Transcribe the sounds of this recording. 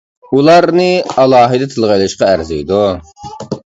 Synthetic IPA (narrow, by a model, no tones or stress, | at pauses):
ulˠɑɾnɨɑlˠɑːɦɨd̪ɛt̪ʰɨlˠʁɑjlˠɨʃqɑæɾzɨjd̪u